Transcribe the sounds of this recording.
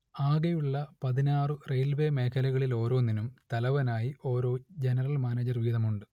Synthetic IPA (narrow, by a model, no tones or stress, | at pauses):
aːɣejuɭːɐpɐðinaːrɨrejlbe̞ːme̞ːkʰɐlɐɣɐɭilo̞ːɾo̞ːninumt̪ɐlɐʋɐnaːjio̞ːɾo̞ːd͡ʑenɐrɐlmaːneːd͡ʑɐrʋiːðɐmuɳɖɨ